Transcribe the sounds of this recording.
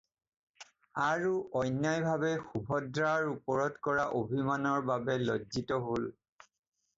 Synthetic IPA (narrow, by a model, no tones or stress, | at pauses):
aɹuʔɔjnːajbʱabɛxubʱɔdɹaɹupɔɹɔdkɔɹaʔobʱimanɔɹbabɛlɔd͡ʒitɔɦol